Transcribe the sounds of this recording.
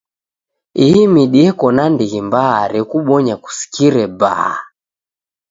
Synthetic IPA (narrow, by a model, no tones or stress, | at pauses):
iimiɗiɛkɔnandiɣimbaaɾɛkuɓɔɲaku̥si̥kiɾɛba̰a